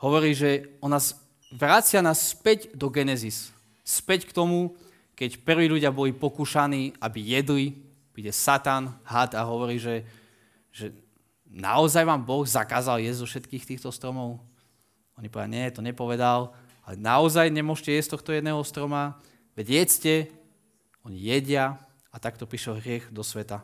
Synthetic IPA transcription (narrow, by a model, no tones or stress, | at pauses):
ɦɔʋɔɾiːʒɛɔnaz | ʋɾat͡sɪanaːsːpɛɟd̪ɔɡɛnɛzis | spɛckt̪ɔmu | kɛcpr̩ʋiːʎuɟɪabɔlipɔkuːʃaniːabijɛd̪li | pɾiɟɛsat̪anɦat̪aɦɔʋɔɾiːʒɛ | ʒɛ | na̰ɔzajʋaːmbɔɣzakaːzaljɛzzɔfʃɛt̪kiːxt̪iːxt̪ɔst̪ɾɔmɔʊ | ɔɲipɔʋdaɲɛt̪ɔɲɛpɔʋɛd̪al | alɛ̰naɔzajɲɛmʊɔʃcɛjɛst̪ɔxt̪ɔjɛd̪nɛːɦɔst̪ɾɔma | ʋɛɟjɛt͡scɛ | ɔɲḭjɛɟɪa | at̪ak̚t̪ɔpɾiʃɛlɦɾɪɛɣd̪ɔsʋɛt̪a